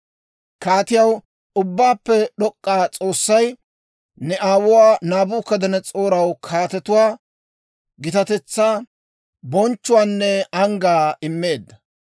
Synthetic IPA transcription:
kaːt̪ɪjɐw | ʊbːaːpːɛɗɔkʼːaːt͡sʼo̞ːsːɐj | nɛʔaːwʊwaːnaːbuːkːɐd̪ɐnɛt͡sʼo̞ːɾɐwkʰaːt̪ɛt̪ʊwaː | ɡɪt̪ɐt̪ɛt͡sːaː | bɔnt͡ʃːʊwaːnːɛɐŋɡaːɪmːe̞ːd̪ːɐ

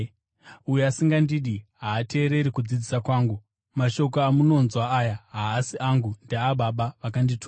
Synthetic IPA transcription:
ujeasiŋɡandiːɗiɦaːte̞ːɾe̞ɾikud͡zid͡zisakwaːŋɡu | maʃo̞k̬oamuno̞nzwaajaɦaːsiʔaŋɡundeaɓaɓaʋakanditʰu

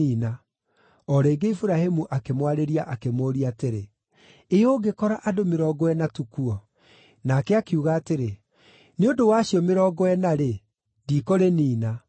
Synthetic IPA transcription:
iːna | ɔɾeːɡeifuɾahemuʔakemwaɾeɾiaʔakemoːɾiateɾe | eoɡekɔɾaʔadomeɾɔːɡɔwɛnatukuɔ | nakɛakeuɣaːteɾe | neodowaɕiɔmeɾɔːɡɔwɛnaɾe | diːkoɾeniːna

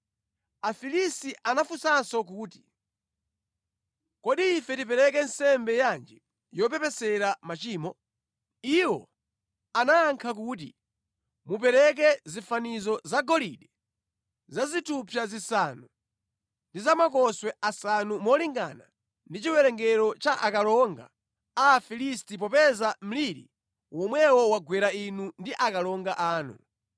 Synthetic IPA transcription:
afilisiʔanafusansɔk̬uːti | kɔɗiːfɛtip̬ɛɾɛkɛnsɛmbɛjand͡ʒi | jɔpɛpɛsɛɾamat͡ʃiːmɔ | iwɔ̰ | anaːŋkʰak̬uːt̬ḭ | mup̬ɛɾɛk̬ɛzifanizɔzaɡɔlḭɗɛ | zazitʰupʰjazisanu | ndizamak̬ɔswɛasanumɔliŋɡa̰na | ndit͡ʃiwɛɾɛŋɡɛɾɔt͡ʃaʔakalɔŋɡa̰ | afilistip̬ɔpɛzam̩liɾḭ | wɔmwɛwɔwaɡwɛɾainundiʔakalɔŋɡaʔaːnṵ

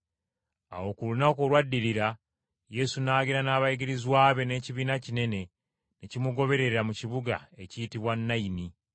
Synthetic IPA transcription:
a̰wo̞kulunako̞lwadːiliɾa | je̞sunaːɡiɾanaːβajiɡiɾizwaːβe̞ne̞ciβiːnacine̞ne̞ | necimuɡo̞βe̞ɾe̞ɾɾamuciβuɡa̰e̞citiβwanːaini

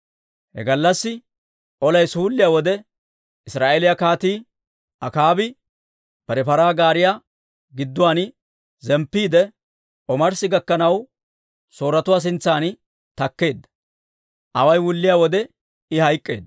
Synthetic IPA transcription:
hɛ̰ɡɐlːɐsːɪ | ʔɔlɐjsuːlːɪjaːwɔd̪ɛ | ɪsɾaːʔelɪjɐkaːt̪iː | ɐkaːbɪ | pɛɾɛpɐɾaːɡaːɾɪja | ɡɪd̪ːʊwaːn | zɛmpːiːd̪ɛ | ʔɔmɐɾsɪɡɐkːɐnɐw | so̞ːɾɐt̪ʊwaːs̬ɪnt͡sːaːn | t̪ɐkːe̞ːd̪ːɐ̥ | ʔɐwɐjwʊlːɪjaːwɔd̪ɛ | ɪhɐjkʼːe̞ːd̪ːɐ

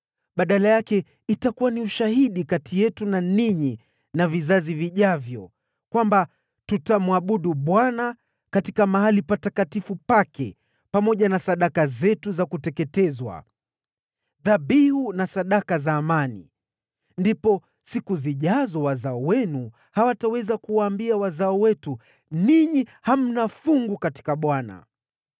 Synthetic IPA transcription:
ɓaɗalajakɛ | itakuwaniuʃaɦiɗikatijɛtunaniɲi | navizaziviʄavjɔ̰ | kwamba | tutamwaɓuɗuɓwana | katikamaɦalipatakatifupakɛ | pamɔʄanasaɗakazɛtuzakutɛkɛtɛzwa̰ | ðaɓihunasaɗakazaːmanḭ | ndipɔ | sikuziʄazɔwazaɔwɛnu | hawatawɛzakuwaːmbiawazaɔwɛtu | niɲiham̩nafuŋɡukati̥kaɓwana̰

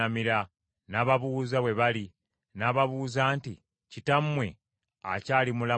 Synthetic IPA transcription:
amiɾa | naːβaβuːzaβwe̞βali | naːβaβuːzaːnti | citamwe̞ | a̰caːlimula

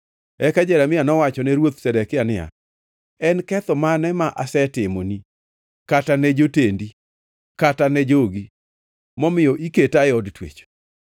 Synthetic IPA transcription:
ɛkad͡ʒɛɾamɪjanɔwat͡ʃɔnɛɾwot̪sɛdɛkɪanɪja̰ | ɛnkɛt̪ɔmanɛmaʔasɛtɪmoni | katanɛd͡ʒotendi | katanɛd͡ʒoɡi | mɔmɪjɔʔiketaɛɔdtwḛt͡ʃ

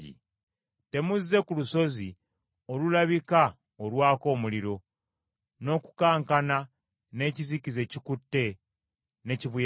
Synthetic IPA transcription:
ḭ | te̞muzːe̞kuluso̞zi | olulaβika | olwaːko̞ːmuliɾo̞ | no̞ku̥kaːŋkana | ne̞ːcizikize̞cikutːe̞ | ne̞ciβuj

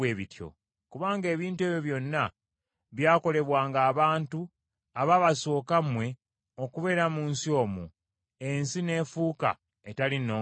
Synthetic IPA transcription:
eːβitjo̞̰ | kuβaːŋɡe̞ːβiːntwe̞ːβjo̞βjo̞nːa | βjaːko̞le̞βwaːŋɡaːβaːntu | aβaβaso̞ːkamwe̞ | o̞kuβe̞ːɾamunsio̞ːmṵ | ensine̞ːfuːka̰ | etalinoː

